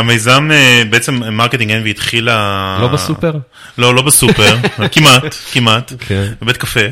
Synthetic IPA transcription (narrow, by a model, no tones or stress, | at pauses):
amejzamebeet͡semmaʁket̪iŋɡenveit̪χilalobsupeʁ | lo̞lo̞besupeʁkimakimat̪kvebet̪̚kafe